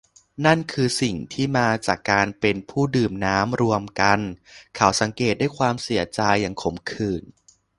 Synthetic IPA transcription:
na˥˩nkʰɯː˧si˨˩ŋt̪ʰiː˥˩maː˧t͡ɕaː˨˩kːaː˧npe˧npʰuː˥˩dɯː˨˩mnaː˦˥mɾu˧əmka˧nkʰa˩˦wsa˩˦ŋkeː˨˩t̪̚daː˥˩jkʰwaː˧msi˩˦ɐt͡ɕa˧jːaː˨˩ŋkʰo˩˦mkʰɯː˨˩n

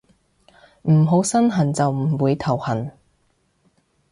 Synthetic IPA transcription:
m̩˨˩ɦo˨˥wsɐ˥nɦɐ˨˩nt͡sɐ˨wm̩˨˩wuː˨˧jt̪ʰɐ˨˩whɐ˨˩n

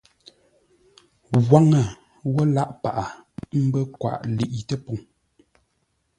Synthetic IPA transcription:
ɣwa˦ŋə˨ | wɔ˦la˦ʔpa˨ʔa˨m̩˦bə˦kwa̰˨ʔli˨ʔi˨tə˦pɔ˨ŋ

